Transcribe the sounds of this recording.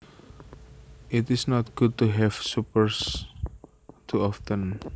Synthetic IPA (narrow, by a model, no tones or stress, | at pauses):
ʔɪtɪsnɔt̪̚ɡ̥ʊd̚t̪uɦɛfsupəɹs | t̪ʰuɔft̪ə̃n